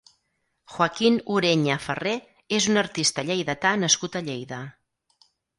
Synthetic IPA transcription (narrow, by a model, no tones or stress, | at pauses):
xwəkinuɾeɲəfəre | ezunəɾt̪ist̪əʎejðət̪anəskut̪əʎejðə